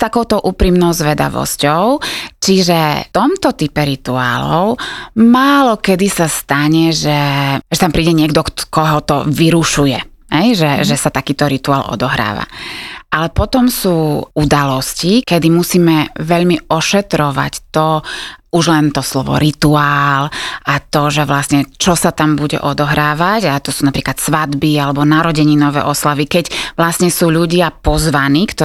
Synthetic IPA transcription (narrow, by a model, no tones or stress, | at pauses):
st̪akɔʊt̪ɔʔuːpɾiːmnɔʊzʋɛd̪a̰ʋɔ̰scɔʊt͡ʃiʒɛt̪ɔmt̪ɔt̪ipɛɾit̪ua̰ːlɔ̰ʊmaːlɔkɛd̪isast̪aɲɛʒɛʒɛt̪ampɾiːɟɛɲɪɛɡd̪ɔkɔɦɔt̪ɔ̰ʋiɾuʃujɛ | ɦɛjʒɛʒɛsat̪akiːt̪ɔɾit̪uaːlʔɔ̰d̪ɔɦɾa̰ːʋa̰ʔalɛpɔt̪ɔmsuːud̪alɔscikɛd̪imusiːmɛʋɛʎmiɔʃɛt̪ɾɔʋa̰ct̪ɔuʒlɛnt̪ɔslɔʋɔ̰ɾit̪uaːlʔat̪ɔʒɛʋlasɲɛt͡ʃɔsat̪ambuɟɛ̰ʔɔd̪ɔɦɾaːʋaɟat̪ɔsuːnapɾiːklat̪sʋad̪bialɛbɔnaɾɔɟɛɲinɔʋɛ̰ːʔɔslaʋikɛcʋlasɲɛsuːʎuɟɪapɔzʋaniːkt̪ɔ